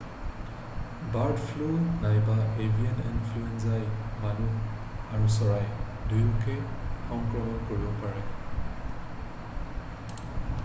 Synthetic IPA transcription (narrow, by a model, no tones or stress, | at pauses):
baɹdpʰlonajbaebʱianinfʰluenzajmanu | aɹusɔɹaj | dʱujumkʰexɔŋkɹɔmɔnkoɹibɔpaɹɛ